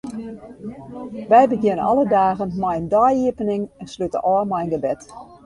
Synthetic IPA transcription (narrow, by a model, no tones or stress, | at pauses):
ʋɛjbəɡjɪnənɔ̰lədaːɣənmɛjəndɔjiəpənɪŋɛnslytə̰ʔɔmɛjənɡəbɛt